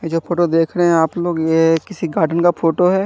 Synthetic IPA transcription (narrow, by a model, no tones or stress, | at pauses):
ed͡ʒoːpʰoːʈod̪eːkʰɾɐɦɛ̃aːploːɡjekɪsiɡaːɾɖənkapʰoːʈoɦɛː